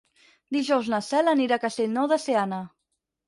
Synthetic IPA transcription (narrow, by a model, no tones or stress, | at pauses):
d̪iʒɔwznasɛləniɾakast̪eʎnoðəseana